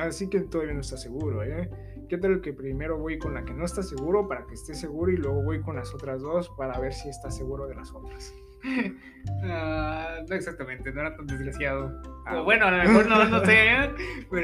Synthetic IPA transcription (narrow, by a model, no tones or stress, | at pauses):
asiket̪oðaβjanoest̪ase̞ɣuɾo̞e | ke̞t̪aloke̞pɾime̞ɾo̞βo̞jko̞nlake̞no̞est̪ase̞ɣuɾo̞paɾakeːst̪e̞se̞ɣuɾoilwe̞ɣo̞βo̞jko̞nlaso̞t̪ɾazðo̞spaɾaβe̞ɾsiest̪ase̞ɣuɾo̞ðe̞laso̞t̪ɾas | anoeksak̚t̪amẽ̞nt̪enoeɾat̪and̪ezɣɾasjað̞oβwe̞noalamexoɾnonosepeɾ